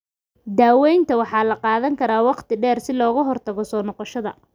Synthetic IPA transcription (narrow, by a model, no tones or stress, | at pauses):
d̪aːwɛjnt̪ʰɐwɑħɑːlɐqɑːðɐŋkʰɐɾaːwɑqt̪ʰɪɖɛːrsɪlɔːɣɐɦɔrt̪ʰɐɣɔsɔːnɔqɔʃɐðɐ̰